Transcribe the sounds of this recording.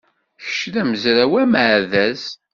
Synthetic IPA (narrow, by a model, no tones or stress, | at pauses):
çə̥ʃðæməzɾæwæmʕðæz